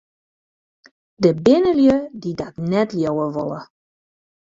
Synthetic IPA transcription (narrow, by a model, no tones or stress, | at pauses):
dəbɪnəljødidɔtnɛtljowəʋɔ̰lˠə̰